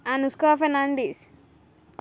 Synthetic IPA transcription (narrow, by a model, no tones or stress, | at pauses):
anuskaːfenaɳɖis